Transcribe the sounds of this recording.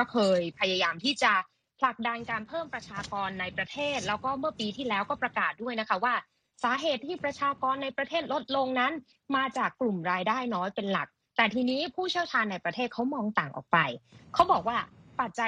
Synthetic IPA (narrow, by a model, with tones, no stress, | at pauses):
kɔː˥˩kʰɤː˧jpʰa˧ja˧jaː˧mt̪ʰiː˥˩t͡ɕa˨˩ | pʰla˨˩k̚da˧nkaː˧npʰɤː˥˩mpɾa˧t͡ɕʰaː˧kɔː˧nːa˧jpɾa˧t̪ʰeː˥˩t̪̚lɛː˦˥wkɔː˥˩mɯ˥˩ɐpiː˧t̪ʰiː˥˩lɛː˦˥wkɔː˥˩pɾa˧kaː˨˩t̪̚du˥˩əjna˦˥kʰa˦˥waː˥˩ | saː˩˦ɦeː˨˩t̪ʰːiː˥˩pɾa˧t͡ɕʰaː˧kɔː˧nːa˧jpɾa˧t̪ʰeː˥˩t̪̚lo˦˥t̪̚lo˧ŋna˦˥n | maː˧t͡ɕaː˨˩kːlu˨˩mɾaː˧jdaː˥˩jnɔː˦˥jpe˧nla˨˩k̚ | t̪ɛː˨˩t̪ʰiː˧niː˦˥pʰuː˥˩t͡ɕʰi˥˩əwt͡ɕʰaː˧nːa˧jpɾa˧t̪ʰeː˥˩t̪̚kʰa˦˥wmɔː˧ŋt̪aː˨˩ŋʔɔ̰ː˨˩k̚pa˧jkʰa˦˥wbɔː˨˩k̚waː˥˩pa˨˩t̪̚t͡ɕa˧